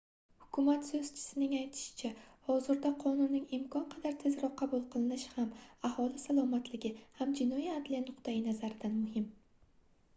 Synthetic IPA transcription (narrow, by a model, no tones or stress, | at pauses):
hʊ̥kʲʰʊmat̪sɵz̥t͡ʃʰɪ̥sɪnɪŋajt̪ʰɪ̥ʃɪ̥t͡ʃʰahɒzɪɾd̪aqʰɒnʊnːɪŋɪmkʰɒnqʰɑd̪aɾt̪ʰezɾɒqʰːɑbulˠqʰɨlˠɪnɪʃhamahɒlˠɪsalˠɒmat̪lɪɡʲɪhamd͡ʒɪnɒiad̪lijanʊqt̪ʰajɪnazaɾɪd̪anmʊhɪm